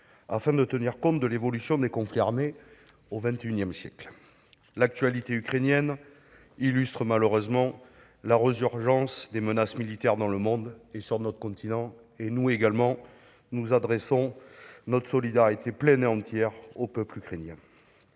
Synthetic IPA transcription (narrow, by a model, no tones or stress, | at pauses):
afɛ̃d̪ət̪əniʁkɔ̃t̪̚d̪əlevɔlysjɔ̃d̪ekɔ̃fliaʁme | ovɛ̃t̪eynjɛmsjɛkl | lak̚t̪ɥalit̪eykχenjɛn | ilyst̪χəmaləʁøzmɑ̃ | laʁəzyʁʒɑ̃sd̪emənasmilit̪ɛʁd̪ɑ̃ləmɔ̃d̪esyʁnɔt̪χəkɔ̃t̪ʰinɑ̃ | enueɡalmɑ̃ | nuzad̪ʁesɔ̃nɔt̪χə̥sɔlid̪aʁit̪eplɛneɑ̃t̪jɛʁopœplykχenjɛ̃